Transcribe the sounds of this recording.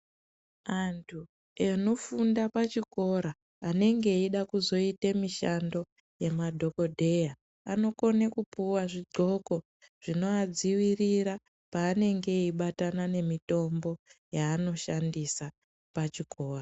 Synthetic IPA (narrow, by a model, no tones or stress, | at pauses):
antʰu | eno̞fundapat͡ʃiko̞ɾaː | ne̞ŋɡe̞iɗakuzo̞itemiʃando̞ | je̞madʱo̞ko̞dʱe̞ja | ano̞ko̞nekupuwaʐiɡ͡ǃo̞ko̞ | ʐ̥ino̞ad͡ziwiriɾa | paːne̞ŋɡe̞iɓatanane̞mito̞mbo̞jaːno̞ʃandisa | pat͡ʃiko̞ːra